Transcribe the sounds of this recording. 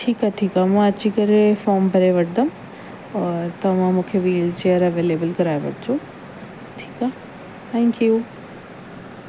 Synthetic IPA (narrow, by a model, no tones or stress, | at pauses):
ʈʰiːkaʈʰiːkamɐ̃ət̪ːt͡ʃʰikəɾefɔːmbʱəɾeʋəʈd̪əm | ɔːɾt̪ɐmãmũkʰeʋiːlt͡ʃeəɾɐʋeːleːbəlkəɾaːeʋə̰ʈ̚t͡ʃʰu | ʈʰi̥ːka | t̪ʰɛ̃ŋkju